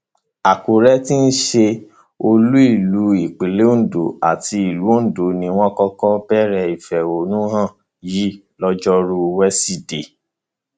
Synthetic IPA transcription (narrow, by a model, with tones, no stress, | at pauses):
a˨ko˨ɾɛ˦ti˦n̩˦ʃe˧ | o˧lu˦i˦˨lu˨˦i˨k͡pe˨le˦˨do˨a˨ti˧i˨lu˨˦n̩˦˨do˨nĩ˧w̃ɔ̃˦kɔ˧kɔ˦b̥ɛ˦ɾɛ˦˨i˨fɛ˨o˨nũ˦ɦã˦˨ | ji˦ | lɔ˦d͡ʒɔ˦ɾu˧wɛ˦si˦˨de˨